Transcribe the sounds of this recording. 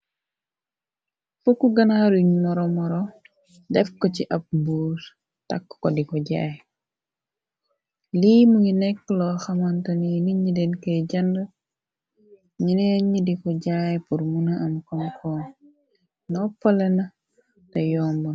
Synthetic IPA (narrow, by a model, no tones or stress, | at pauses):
fukːuɡɐnaɾuɲmɔɾɔmɔɾɔ | dɛfkɔciʔɐp̚buːɾ | takːkɔdikɔɟa̰ːj | liːmuɲinɛkːlɔxɐmɐntɐniniɲidɛnkɐjɟɐndə | ɲinɛɲidikɔɟajpuɾmunɐʔɐmkɔmkʰɔːn | nɔpɐlɐnɐ | tɐjɔːmun